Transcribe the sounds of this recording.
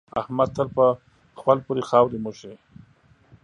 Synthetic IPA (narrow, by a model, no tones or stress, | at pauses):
a̰hmad̪̚t̪ʰəlpə | xpalpuɾixɑːwɾemuʃe